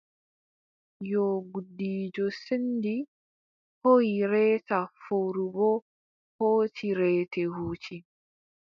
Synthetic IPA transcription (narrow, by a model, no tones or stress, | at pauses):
jɔɡudːiːd͡ʒɔsendi | hojiɾɛːtafoːɾubɔ | hoːtʰiɾɛːtɛhuːt͡ʃi